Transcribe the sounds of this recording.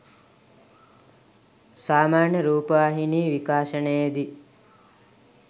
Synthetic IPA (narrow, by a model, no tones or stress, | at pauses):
saːmaːnjəɾuːpəʋaɦiniːʋikaːʃənəjed̪i